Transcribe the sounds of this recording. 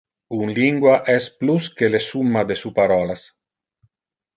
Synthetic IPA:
unliŋɡwaʔɛspluskelesumːad̪esupaɾɔːlas

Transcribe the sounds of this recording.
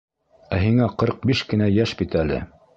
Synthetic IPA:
æɦiŋæqɤɾq̚biʃkɘ̆næjæʃbit̪ælɘ̰

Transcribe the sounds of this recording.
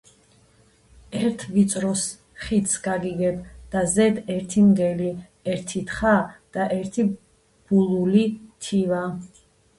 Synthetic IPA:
ɛɾt̪ʰvit̪sʼɾɔs | χit̪ʰsɡ̥aɡiɡɛbd̪̥azɛd̪ɛɾt̪ʰimɡɛli | ɛɾt̪ʰit̪χad̪̥aʔɛɾt̪ʰi | b̥ulˠulit̪ʰiva

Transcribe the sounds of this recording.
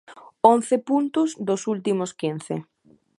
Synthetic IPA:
onθɪpunt̪ʊzd̪ʊsult̪imʊskin̟θɪ̰

